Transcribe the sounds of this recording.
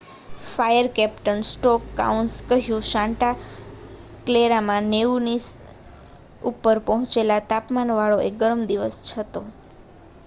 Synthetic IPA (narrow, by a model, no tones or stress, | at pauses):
fajəɾkɛpʈənsʈɔkːa̰unskəɦjũʃãɳʈa | kleɾamãneunis | upːəɾpəɦɔ̃t͡ʃelat̪apmanʋaɭoeɡəɾəmd̪iʋəst͡ʃʰət̪o